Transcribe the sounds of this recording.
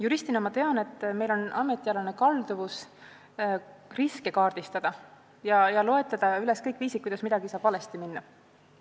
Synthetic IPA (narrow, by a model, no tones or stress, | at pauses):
juɾisʲt̪inɑmɑt̪e̞ɑne̞t̪ːˑme̞jlo̞nɑme̞t̪ːˑiɑlɑne̞kɑld̪uvus | riske̞kɑːrd̪̥ist̪ɑd̪̥ɑ | jɑjɑlo̞et̪ːˑɑd̪̥ɑyle̞skɤjkːˑviːsikujd̪̥ɑsmid̪ɑɡ̥isɑːb̥vɑle̞st̪iminːɑ